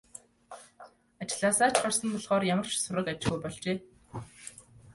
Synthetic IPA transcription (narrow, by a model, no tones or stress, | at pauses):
at͡ɕɪ̆ɮaːsaːt͡ɕɢarsə̆mpɔɮχɔːrjamə̆r̥t͡ɕsʊɾə̆kat͡ɕɪɣujpɔɮt͡ɕeː